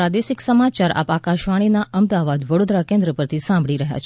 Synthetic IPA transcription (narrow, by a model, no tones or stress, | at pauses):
ad̪esɪksəmat͡ʃaɾʔa̰pakaʃʋaɽ̃inaʔəmd̪aʋad̪ʋəɽod̪ɾakẽnd̪ɾəpəɾt̪ʰisãmbʱɭiɾəɦja̰t͡ʃʰ